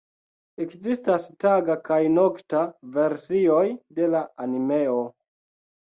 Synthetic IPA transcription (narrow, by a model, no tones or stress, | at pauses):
ekzistastaɡakajno̞ktave̞ɾsio̞jde̞laanime̞o